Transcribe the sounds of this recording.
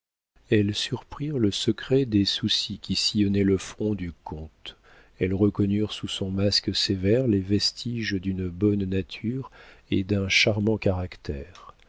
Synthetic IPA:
ɛlsyʁpχiʁləsəkχɛd̪esusikʲisijɔnɛləfχɔ̃d̪ykɔ̃t̪ | ɛlʁəkɔnyʁsusɔ̃masksevɛʁlevɛst̪ʰiʒd̪ynbɔnːat̪ʰyʁed̪ɛ̃ʃaʁmɑ̃kaʁakt̪ɛːʁ

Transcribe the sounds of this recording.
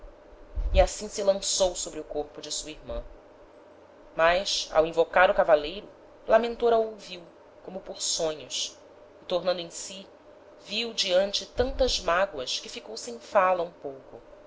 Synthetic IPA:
iasĩsɪlɐ̃sowsobɾɪʊkoɾpʊd͡ʒɪsuɐiɾmɐ̰̃ | majsa̰wĩvokaɾʊkavalejɾʊ | lamẽnt̪oɾɐowviw | kõmʊpoɾsõɲʊʃs | ɪt̪oɾnɐ̃nd̪ʊẽj̃si | viwd͡ʒiɐ̃nt͡ʃɪt̪ɐ̃nt̪ɐzmaɡwɐskɪfikowsẽj̃falɐũpowkʊ

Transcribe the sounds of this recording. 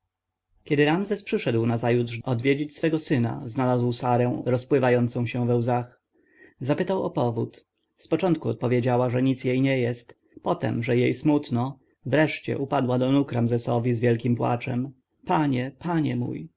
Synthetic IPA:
kʲɛd̪ɘɾamzɛspʂɘʂɛd̪wnazajud̪ʐʔɔd̪vʲjed͡ʑit͡ɕsfɛɡɔsɘna̰znalazwsaɾɛ̃ɾɔspwɘvajɔnt̪sɔ̃w̃ɕɛ̃vɛwzax | zapɘt̪awɔ̰pɔvut̪ | spɔt͡ʂɔnt̪̚kuɔt̪̚pɔvʲjed͡ʑawaʐɛɲit̪sjejɲɛjɛst̪ | pɔt̪ɛ̰mʐɛjejsmut̪nɔ | vɾɛʂt͡ɕɛ̰ʔupad̪wad̪ɔnukɾamzɛsɔvʲizvʲjɛlkʲimpwa̰t͡ʂɛm | paɲɛpʰaɲɛmṵj

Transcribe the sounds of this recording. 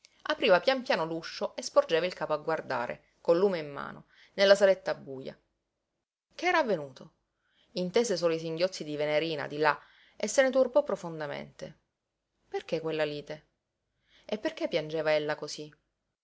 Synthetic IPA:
apɾiːvapjampjaːnoluʃːoʔespord͡ʒeːvailkaːpoaɡward̪a̰ːɾḛ | kolːuːmeimːa̰ːno̰ | nelːasalet̪ːaːbːuːja̰ | k̟eɛːɾaavːenuːt̪ʰo | int̪eːsesoːlois̬iŋɟjot̪sid̪iveneɾiːna̰d̪ila | esːenet̪urbɔpːɾofond̪amḛnt̪e | perkekːwelːaliːt̪e | epːerkepːjand͡ʒeːvaelːakosi

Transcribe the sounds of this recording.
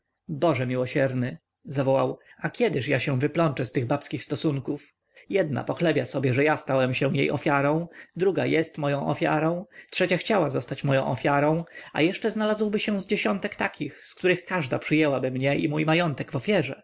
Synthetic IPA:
bɔʐɛmʲiwɔɕɛɾnɘ | zavɔwawakʲɛd̪ɘʂjaɕɛw̃vɘplɔnt͡ʂɛst̪ɘɣbapskʲixst̪ɔsuŋkuf | jɛd̪̚na̰pɔxlɛbʲjasɔbʲjɛʐɛjast̪awɛmɕɛjḛjʔɔ̰fʲjaɾɔ̃w̃d̪ɾuɡajɛst̪mɔjɔ̃w̃ʔɔ̰fʲja̰ɾɔ̃tʂɛt͡ɕaxt͡ɕawazɔst̪at͡ɕmɔjɔ̃w̃ʔɔ̰fʲjaɾɔ̃w̃a̰jɛʂt͡ʂɛznalazwbɘɕɛ̃zd͡ʑeɕɔnt̪ɛkt̪akʲʰixskt̪uɾɘxkaʐd̪a̰pʂɘjɛwabɘmɲɛʔḭmujmajɔnt̪ɛɡvɔfʲjɛʐɛ

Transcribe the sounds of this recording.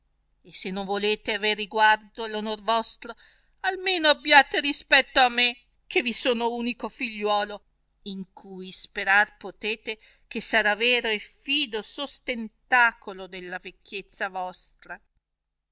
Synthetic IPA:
esːenːoɱvoleːt̪eaveriɡward̪olonorvɔst̪ɾo | almeːnoabːjaːt̪eɾispɛt̪ːoamːe | k̟ʰevisoːnouːnikofiʎːwɔːlo | iŋkʰujspeɾarpot̪eːt̪e | kesːaɾaveːɾoefiːd̪osost̪ent̪aːkolod̪elːavekːet̪sːavɔst̪ɾa

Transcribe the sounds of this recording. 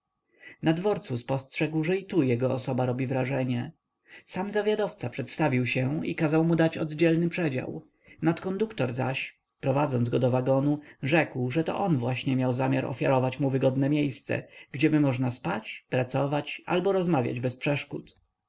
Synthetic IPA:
nad̪vɔɾt̪suspɔstʂɛɡwʐɛit̪ujɛɡɔɔsɔbaɾɔbʲivɾaʐɛɲɛ | samzavʲjad̪ɔft̪sapʂɛt̪st̪avʲiwɕɛḭkazawmud̪at͡ɕɔ̰d̪d͡ʑɛlnɘpʂɛd͡ʑa̰w | nat̪kɔnd̪ukt̪ɔɾza̰ɕ | pɾɔvad̪zɔnɡɔd̪ɔvaɡɔnuʐɛkwʐɛt̪ɔ̰ʔɔnvwaɕɲɛmjawzamʲjaɾɔ̰fʲja̰ɾɔvat͡ɕmuvɘɡɔd̪nɛmʲjejst̪sɛ̰ɡd͡ʑɛmɘmɔʐnaspat͡ɕpɾat̪sɔvat͡ɕa̰lbɔɾɔzmavʲja̰d͡ʑbɛspʂɛʂkut̪

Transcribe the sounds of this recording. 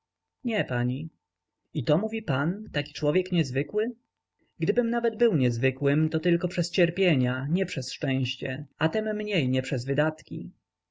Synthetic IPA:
ɲɛpaɲi | it̪ɔmuvʲipant̪akʲi̥t͡ʂwɔvʲjɛkɲɛzvɘkwɘ | ɡd̪ɘbɘmnavɛd̪bɘwɲɛzvɘkwɘmt̪ɔt̪ɘlkɔpʂɛst͡ɕɛɾpʲjeɲaɲɛpʂɛsʂt͡ʂɛ̃w̃ɕt͡ɕɛat̪ɛmːɲejɲɛpʂɛzvɘd̪at̪kʲḭ

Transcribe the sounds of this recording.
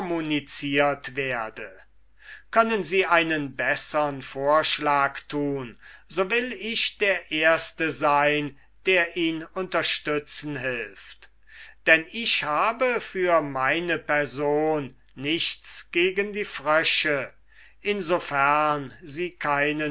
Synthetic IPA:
munit͡siːɐtv̥eːɐdə | kʰœnənziːʔaɪnənbɛsəʁənfoːɐʃlaːktʰuːnzoːvɪlɪʃd̥eːɐʔeːɐstəzaɪn | d̥eːɐʔiːnʊntɐʃtʏt͡sn̩ɦɪlft | d̥ɛnɪʃhaːbəfyːɐmaɪnəpɛɐzoːnː | ɪçtt͡sɡ̥eːɡəndiːfʁœʃə | ʔɪnzofæɐnziːkʰaɪnə

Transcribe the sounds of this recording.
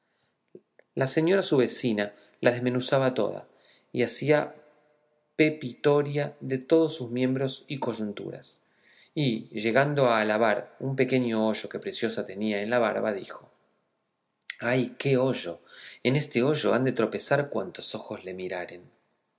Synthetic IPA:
lase̞ɲo̞ɾasuβe̞sina | lʔað̞ezme̞nusaβat̪o̞̰ð̞a̰ | iasia | pe̞pit̪o̞ɾjaðe̞t̪o̞ð̞osːuzmjẽ̞mbɾo̞siko̞ʒunt̪ṵɾa̰s | iʒe̞ɣand̪o̞aːlaβaɾumpe̞ke̞ɲo̞o̞ʒo̞ke̞pɾe̞sjo̞sat̪e̞niaenlaβaɾβaðixo̞ | ajke̞o̞ʒo̞ene̞st̪e̞o̞ʒo̞and̪e̞t̪ɾo̞pe̞saɾkwant̪o̞̥so̞xo̞zle̞miɾaɾe̞n

